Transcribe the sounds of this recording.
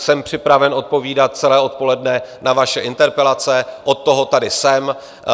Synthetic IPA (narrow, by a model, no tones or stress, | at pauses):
sɛmpr̝̥ɪpɾavɛno̞t̪̚po̞viːdat̪̚t͡sɛlɛːo̞t̪̚po̞lɛdnɛnavaʃɛʔɪnt̪ɛɾpɛlat͡sɛʔo̞t̪ːo̞ɦo̞t̪adɪsɛm